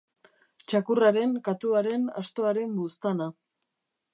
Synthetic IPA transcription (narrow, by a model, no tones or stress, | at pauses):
t͡ʃakuraɾe̞ŋkat̪uaɾe̞na̰st̪o̞aɾe̞mbust̪ana